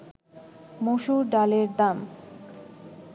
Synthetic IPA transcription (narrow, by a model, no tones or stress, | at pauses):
moʃuɾɖaleɾd̪am